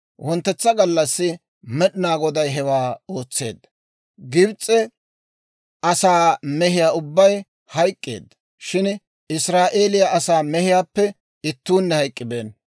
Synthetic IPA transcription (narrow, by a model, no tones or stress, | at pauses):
wʔɔnt̪ːɛt͡sːɐɡɐlːɐsːɪ | mɛɗɪnaːɡɔd̪ɐjɦɛwaːo̞ːt͡sːe̞̰ːd̪ːɐ | ɡɪbt͡sʼːɛ | ɐsaːmɛɦɪjaːʊbːɐj | hɐjkʼːḛːd̪ːɐ | ʃɪn | ɪsɾaːʔe̞ːlɪjɐʔɐsaːmɛhɪjaːpːɛ | ɪt̪ːuːnːɛhɐjkʼːɪbeːn